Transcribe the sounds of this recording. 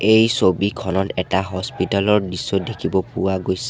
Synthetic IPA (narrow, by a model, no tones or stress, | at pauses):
ejsobikʰɔnɔtɛtaɦɔspitalɔɹdisːɔdekʰibɔpʊwaɡojsɛ